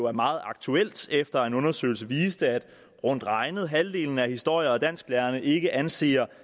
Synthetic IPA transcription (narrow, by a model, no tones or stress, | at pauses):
oæɐmɑ̈ːð̞̩ˠɑ̈ɡ̥̚t͡sʰuel̰d̥efd̥ɐe̝nɔ̽nɐsø̰ːɪl̩s̬əʋiːsd̥əæd̥ | ʁɔ̽n̰d̥ʁɑ̈ɪnəð̞̩ˠɦæld̥e̝̰ːln̩æhisd̥o̝ɐ̰jɐɒ̽d̥æn̰sɡ̥læːɐnəʔe̝ɡ̥əʔænse̝̰ːɐ